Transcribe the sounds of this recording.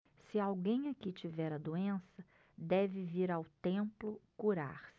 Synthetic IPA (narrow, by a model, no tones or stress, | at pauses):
sɪawɡẽj̃akit͡ʃivɛɾɐd̪uẽsɐ | d̪ɛvɪviɾawt̪ẽmplʊkuɾa̰ɾ